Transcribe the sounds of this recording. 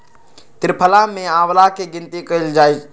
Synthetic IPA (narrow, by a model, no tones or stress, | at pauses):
t̪ɪɾpʰəlamẽãːwlakeɡɪnt̪ikəild͡ʒaːj